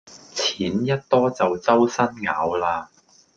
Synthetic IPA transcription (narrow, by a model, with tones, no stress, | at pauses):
t͡sʰiː˨˥njɐ˥t̚t̪ɔː˥t͡sɐ˨wt͡sɐ˥wsɐ˥nŋaː˨˥wlaː˧